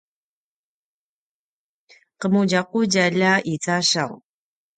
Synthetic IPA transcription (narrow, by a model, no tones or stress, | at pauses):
qəmuɟaquɟaʎaʔit͡sʼaɕa̰w